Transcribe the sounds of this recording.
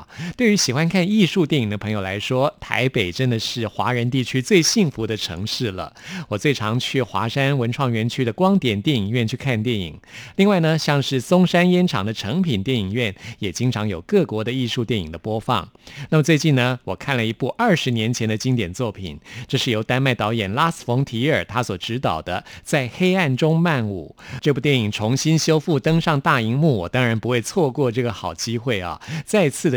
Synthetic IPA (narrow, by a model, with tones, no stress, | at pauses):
t̪we˥˩ɪy˧˥ɕi˨˩xwa˥nkʰa˥˧ni˥˧ʂu˥˧t̪jɛ˥˩ni˨˩ŋd̪ə˦pʰɤ˧˥ŋjo˨˩ʊla˧˥ɪʂwɔ˥t̪ʰa̰˧˥ɪpe˨˩ɪʈ͡ʂə˦˥nd̪ə˨ʂɻ̩˥˩xwa̰˧˥ɻə˧˥nt̪i˥˩t͡ɕʰy˥t͡swe˥˧ɪɕi˥˩ŋfu˧˥d̪ə˧ʈ͡ʂʰɤ̰˧˥ŋʂɻ̩˥˩lə̰˩wɔ˨˩t͡swe˥˩ɪʈ͡ʂʰɑ˧˥ŋt͡ɕʰy˥˩xwa̰˧˥ʂa˥nwə˧˥nʈ͡ʂʰwɑ˥˩ŋɥɛ˧˥nt͡ɕʰy˥d̪ə˨kwɑ˥ŋt̪jɛ˨˩nt̪jɛ˥˩ni˨˩ŋɥɛ˥˧nt͡ɕʰy˥˧kʰa˥˧nt̪jɛ˥˩nḭ˨˩ŋli˥˧ŋwa˥˩ɪnə˩ɕjɑ˥˧ŋʂɻ̩˥˩sʊ˥ŋʂa˥njɛ˥nʈ͡ʂʰɑ̰˨˩ŋd̪ə˦ʈ͡ʂʰɤ˧˥ŋpʰi˨˩nt̪jɛ˥˩ni˨˩ŋɥɛ˥˩njɛ˨˩t͡ɕi˥ŋʈ͡ʂʰɑ˧˥ŋjo˨˩ʊkɤ˥˩kwɔ˧˥d̪ə˧i˥˧ʂu˥˧t̪jɛ˥˩ni˨˩ŋd̪ə˦pwɔ˥fɑ̰˥˩ŋna˥˩mə˩t͡swe˥˧ɪt͡ɕi˥˩nə˩wɔ˨˩kʰa˥˩nlə˩i˧˥pu˥˧ʔə˞˥˩ʂɻ̩˧˥njɛ˧˥nt͡ɕʰɛ˧˥nd̪ə˧t͡ɕi˥ŋt̪jɛ˨˩nt͡swɔ˥˩pʰḭ˨˩nʈ͡ʂɤ˥˧ʂɻ̩˥˩jo˧˥ʊt̪a˥nma˥˩ɪt̪ɑ˧˥ʊjɛ˨˩nla˥s̩˨˩fʊ˧˥ŋt̪ʰi˧˥ə˞˨˩t̪ʰa˥swɔ˨˩ʈ͡ʂɻ̩˧˥t̪ɑ˨˩ʊd̪ə˦t͡sa˥˩ɪxe˥ɪa˥˩nʈ͡ʂʊ˥ŋma˥˩nṵ˨˩˦ʈ͡ʂɤ˥˧pu˥˩t̪jɛ˥˩ni˨˩ŋʈ͡ʂʰʊ˧˥ŋɕi˥nɕjo˥ʊfu˥˩t̪ɤ˥ŋʂɑ˥˧ŋt̪a˥˩i˧˥ŋmu˥˩wɔ˨˩t̪ɑ˥ŋɻa˧˥npu˧˥xwe˥˧ɪt͡sʰwɔ˥˧kwɔ˥˧ʈ͡ʂɤ˥˩ɡə˩xɑ˨˩ʊt͡ɕi˥xwe˥˩ɪɐ̰˩t͡sa˥˧ɪt͡sʰɹ̩˥˩